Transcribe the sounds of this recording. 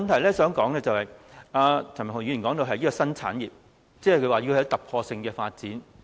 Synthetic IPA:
nt̪ʰɐ˨˩jlɛː˥sœː˨˥ŋkɔː˨˥ŋlɛː˥t͡sɐ˨whɐ˨jaː˧t͡sʰɐ˨˩m˨˩hjy˧˥jːkɔː˨˥ŋt̪o˧ɦɐ˨jiː˥kɔː˧sɐ˥nt͡sʰa̰ː˨˥njiː˨p̚ | t͡sɛː˥hkʰɵ˧˥waː˨ji˧kʰːjɐ˧˥wt̪ɐ˨p̚kʰɔː˧sɪ˧ŋkɛː˧faː˧t̚t͡siː˨˥n

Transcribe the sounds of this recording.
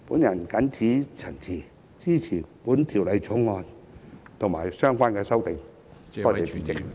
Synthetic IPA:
pu˨˥na˨˩nka˨˥nt͡ɕʰi˨˧˥t͡ɕʰə˨˩nt͡ɕʰi˨˩ | t͡ɕiː˧˥˩t͡ɕʰiː˨˩pu˨˥nt̪ʰi˨˩wla˨˧˩jt͡ɕʰʊ˨˥˦ŋŋɔː˧n | t̪ʰʊ˨˩ŋmaː˨˩jsœː˧ŋkwaː˧˥nkɛː˧sɐ˧wt̪ɪ˨˩ŋ | ɔ˧te˨˩pi˨˧˩t͡ɕɪ˨˧˩ŋ̚

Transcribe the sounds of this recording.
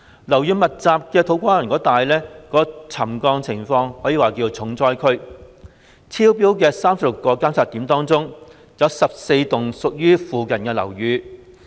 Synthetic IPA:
lɐ˨˩wjyː˨˧mɐ˨t̚t͡saː˨p̚kɛː˧t̪ʰo˨˥wkʷaː˥jɐ˨˩nkɔː˨˥t̪aː˨jlɛː˥kɔː˨˥t͡sʰɐ˨˩mkɔː˧ŋt͡sʰɪ˨˩ŋfɔː˧ŋhɔː˨˥jiː˨˧waː˨˩kiː˧wt͡sʰʊ˨˥ŋt͡sɔː˥jkʰɵ˥ɥ | t͡sʰiː˥wp̬iː˥wkɛː˧saː˥msɐ˨p̚lʊ˨˩kːɔː˧kaː˥msʰaː˨˧t̪ːiː˨˥mt̪ɔː˥ŋt͡sʊ˥ŋ | jɐ˨˧wsɐ˨p̚se˧jt̪ʊ˨˩ŋsʊ˨k̚jyː˥fuː˨kɐ˨˩nkɛː˧lɐ̰˨˩wjyː˨˧

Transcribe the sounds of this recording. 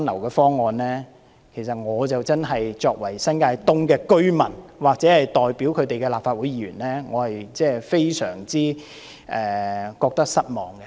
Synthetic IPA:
nlɐ˨˩wkɛː˧fɔː˥ŋːɔː˨nlɛː˥ | kʰe˨˩js̬ɐ˨t̚ŋɔː˨˧t͡sɐ˨wt͡sɐ˥nɦɐ˨jt͡sɔː˧k̚wɐ˨˩jsɐ˥nkaː˧jt̪ʊ˥ŋkɛː˧kɵ˥ɥmɐ̰˨˩nwaː˨k̚t͡sɛː˨˥hɐ˨jt̪ɔː˨jpiː˨˥wkʰɵ˨˧ɥt̪e˨jkɛː˧laː˨p̚faː˧t̚wu˨˥jiː˧˥ɥyː˨˩nlɛː˥ŋɔː˨˧hɐ˨jt͡sɛː˥˩fe˥jsœː˨˩ŋt͡siː˥ | ʔɛː˨kɔː˧k̚t̪ɐ˥k̚sɐ˥t̚mɔː˨˧ŋkɛ˧

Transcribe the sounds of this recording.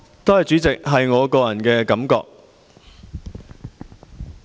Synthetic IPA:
t̪o˥whɐ˨jt͡ʃyː˨˥t͡sɪ˨k̚ɦɐ˨jŋɔː˨˧kɔː˧jɐ˨˩nkɛː˧kɐ˨˥mkɔ̰ː˧k̚

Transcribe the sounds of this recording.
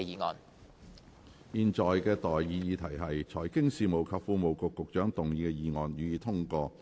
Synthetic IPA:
iː˨ŋɔ̰ː˨˩n | jiː˨˧nt͡ʃɔː˨jkɛː˧t̪ɔː˨jjiː˨˧jiː˧t̪ʰɐ˨˩jɦɐ˨jt͡ʃʰɔː˨˩jkɪ˥ŋsiː˨˧mo˨˩wkʰɐ˨˧p̚fuː˧mo˨wkʊ˨˧kːʊ˨k̚t͡ʃœː˨˥ŋt̪ʊ˨ŋjiː˨˧kɛ˧jiː˨˧ŋɔː˨˩njyː˨˧jiː˧t̪ʰʊ˥ŋkɔː˧

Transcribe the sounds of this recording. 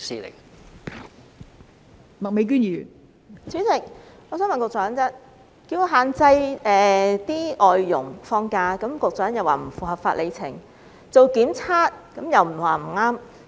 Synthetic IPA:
sḭ˨lɪ̰˨˩ŋ | mɐ˨k̚me˨˧jk̬yː˥n˨y˨˩n | t͡sʰyː˨˥t͡sɪ˨k̚ŋɔ˨˧s̬œː˨˥wmɐ˨˩nkʊ˨k̚t͡sœː˨˥nt͡sɐ˥ | kiː˧wkːɦaː˨nt͡sɐ˧jɛː˨˩t̪iː˥ʔɔː˨jːʊ̰˨˩ŋfɔː˧ŋkaː˧kɐ˨˥mkʊ˨k̚t͡sœː˨˥njɐ˨˩waː˨˩m̩˨˩fuː˨˩ɦɐ˨˩p̚faː˧ʔle˨˧jt͡sʰɪ˨˩ŋ | t͡so˨wkiː˨˥mt͡sʰaː˥t̚kɐ˨˥mjɐ˨wm̩˨˩waː˨˩m̩˨˩ŋaː˥m

